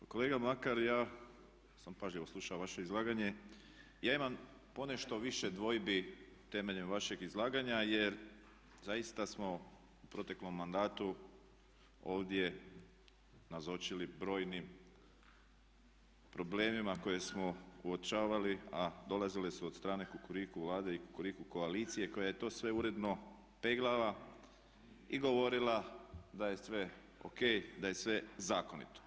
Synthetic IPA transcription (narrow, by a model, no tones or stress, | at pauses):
akole̞ːɡamakaɾjaː | sampaʒʎiʋoslˠuʃaʋaʃe̞izlˠaːɡaɲe̞ | jaːimam | po̞ne̞ʃt̪o̞ʋiʃe̞d̪ʋo̞jbi | t̪e̞me̞ʎemʋaʃeɡizlˠaːɡaɲaje̞ɾ | zajist̪asmo̞ | upɾo̞t̪e̞klo̞mːand̪aːt̪u | o̞ːʋd̪je̞ | nazo̞t͡ʃilibɾo̞ːjnim | pɾo̞ble̞ːmimako̞je̞smo̞uot͡ʃaːʋaliad̪o̞lazilesuod̪st̪ɾaːne̞kukuɾikuʋlˠaːd̪e̞ikukuɾikuko̞alit̪sije̞ko̞jaje̞t̪o̞ːsʋe̞uɾe̞d̪no̞ | peɡlˠala | iɡo̞ʋo̞ɾilad̪aje̞sʋe̞ | o̰ke̞jd̪aje̞sʋe̞zaːko̞nḭt̪o̥